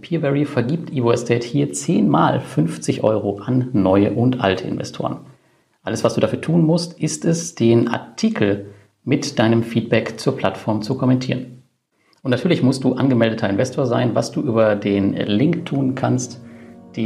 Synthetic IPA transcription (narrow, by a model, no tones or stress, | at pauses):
pʰiːɐbɛʁifɛɐɡiːp̚tʰʔiːvoɛstʰɛːthiːɐt͡seːnma̰ːlfʏnft͡sɪçʔɔ̰ʏʁoʔanːɔʏə̰ʔʊntʔa̰ltʰəɪ̰nvɛ̰stʰo̰ːʁə̰n | ʔaləsv̥asd̥uːdafyːɐtʰuːnmʊstʔɪstɛsd̥eːnʔa̰ɐtʰiːkʰl̩ | mɪtd̥aɪnəmfiːt̚b̥ɛkt͡suːɐpʰl̥atfɔɐmt͡sukʰɔmɛntʰiːʁən | ʔʊntnatʰyɐlɪçmʊstd̥uːʔanɡəmɛldətʰɐɪnvɛstʰoːɐzaɪnva̰sd̥uːʔyːbɐdeːnlɪŋktʰːuːnkʰanstd̥eː